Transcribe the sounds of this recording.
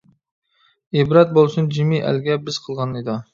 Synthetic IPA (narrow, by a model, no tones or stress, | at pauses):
ebɾɑt̪̚bolˠsund͡ʒimiʔæ̰lɡʲɛbɪz̥qʰəlˠʁɑnɨd̪ɑ